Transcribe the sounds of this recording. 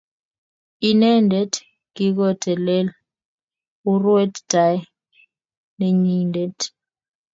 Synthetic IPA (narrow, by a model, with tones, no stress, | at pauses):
i˦nɛ˦ndʱɛ˦d | ŋi˦k̬ɔ˦˨tʰɛ˨lɛ˦l | u˦rwɛ˦td̥a˨˦j | ne˨ɲi˦ndɛ˦t